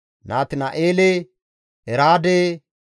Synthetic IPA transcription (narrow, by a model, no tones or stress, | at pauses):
naːt̪ɪnɐʔeːle | ɛɾaːd̪eː